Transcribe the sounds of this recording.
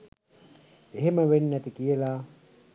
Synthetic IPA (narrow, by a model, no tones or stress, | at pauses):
eɦeməʋenːæt̪ikijəla